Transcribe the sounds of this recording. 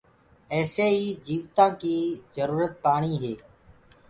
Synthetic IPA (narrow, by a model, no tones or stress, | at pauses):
ɛːseːiːd͡ʒiːʋt̪ãːkiːzəɾuːɾət̪̚paːɳiːɦeː